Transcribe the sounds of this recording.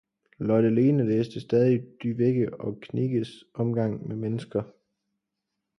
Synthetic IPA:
lɒd̥ele̝ːnəleːsd̥əsd̥ɛːð̞ˠid̥yʋeɡ̥əɒ̽kʰniɡ̥əsɒ̽mɡ̥ɑ̈ŋ̰memenəsɡ̥ɐ

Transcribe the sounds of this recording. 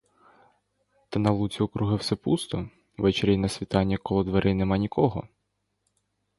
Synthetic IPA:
t̪ɐnɐlˠut͡sʲiɔkɾuɦɪwsɛpust̪ɔ | ʋɛt͡ʃeɾʲijnɐsʲʋʲit̪ɑnʲːikɔlˠɔd̪ʋeɾʔɪnɛmɑnʲikʰɔɦɔ̰

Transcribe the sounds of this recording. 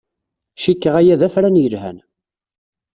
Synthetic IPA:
ʃikːəʁæjæðæfɾænjəlhæ̰n

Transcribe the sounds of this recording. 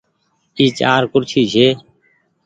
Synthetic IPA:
iːt͡ʃaːɾkʊɾt͡ʃʰiːd͡ʒʰeː

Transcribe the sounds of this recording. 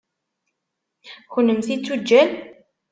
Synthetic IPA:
xʊnːəmθit͡sːud͡ʒːæn

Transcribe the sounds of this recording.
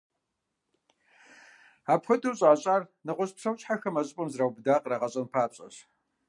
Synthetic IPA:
aːpxʷɐdɨwɕʼaːɕʼaːrnɨʁʷʊɕpʂɐwt͡ʃʼħaxɐmɐɕʼɪpʼɐmzrawbdaːqraʁɐɕʼɐnpʰaːpɕʼɐ̰ɕ

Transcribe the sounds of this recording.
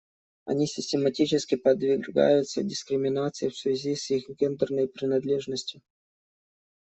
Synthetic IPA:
ɐ̰nʲisʲɪsʲtʲɪmɐtʲit͡ɕɪskʲɪpəd̪vʲɪrɡa̰jʊt̪sə̰dʲɪskɾʲɪmʲɪnat̪sɨɪfsvʲɪzʲisixɡʲend̪ərnəjpɾʲɪnɐd̪lʲeʐnəsʲtʲjʊ

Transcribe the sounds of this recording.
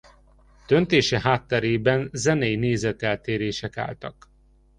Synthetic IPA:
d̪̥ønt̪eːʃɛɦaːt̪ːɛɾeːbɛnzɛnɛjneːzɛt̪ɛlt̪eːɾeːʃɛka̰ːlt̪ɒk

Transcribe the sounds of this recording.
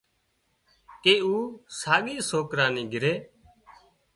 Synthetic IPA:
keːuːsaːɠiːsoːkɾãːnĩːɡʱɪɾeː

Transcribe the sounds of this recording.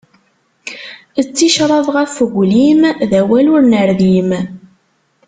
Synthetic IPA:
ət͡sːiʃɾˤɑðˤʁəfəɡʷlimðæwælʊɾnəɾðim

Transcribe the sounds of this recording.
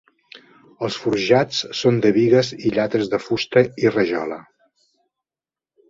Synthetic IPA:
əlˠsfuɾʒat͡ssond̪əβiɣəziʎat̪əzðəfust̪əirəʒɔ̰lə

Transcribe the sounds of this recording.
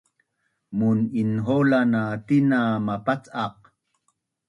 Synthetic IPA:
muninɦolanat̪inamapat͡sɑq̚

